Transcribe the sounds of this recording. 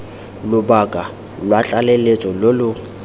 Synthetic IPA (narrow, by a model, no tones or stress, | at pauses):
lʊbakʼa | lwat͡ɬʼalelet͡ʃʼɔlolʊ